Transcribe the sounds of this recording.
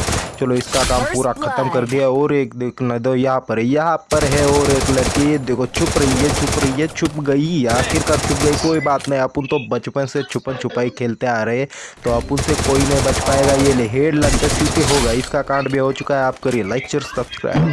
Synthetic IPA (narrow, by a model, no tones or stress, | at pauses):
t͡ʃɐloɪskakaːmpuːɾakʰɐt̪əmkɐɾd̪ijaɦɔːɾeːkd̪eːknd̪ojɐɦãpəɾɦɛjɐɦãpəɾɦɛɔːɾeːklɐɽkejed̪eːkʰot͡ʃʰʊpɾɐɦiet͡ʃʰʊpɾɐɦiɦɛt͡ʃʰʊpɡɐiaːxɪɾkaɾt͡ʃʰʊp̚ɡɐikoːibaːt̪nɐɦĩɐpʊnt̪obɐt͡ʃpənset͡ʃʰʊpənt͡ʃʰʊpaːikʰeːlt̪eaːɾɐɦe | t̪oɐpʊnsekoːinɐɦĩbɐt͡ʃpaːeːɡajeleɦeːɖlɐɽket͡ʃukeɦoːɡaːɪskakãːɳɖbʱiɦot͡ʃʊkaɦɛaːp̚kɐɾielaɪk̚t͡ʃəɾsɐbskɾa̰ːɪ